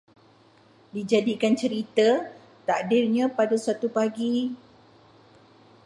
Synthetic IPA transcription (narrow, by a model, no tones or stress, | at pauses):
did͡ʒadikant͡ʃəɾit̪ə | t̪aʔdirɲãpadasat̪upaɡi